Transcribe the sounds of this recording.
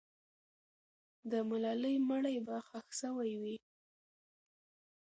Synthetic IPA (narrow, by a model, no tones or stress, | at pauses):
d̪əmalɑləjməɽajbaxaxsəwajwi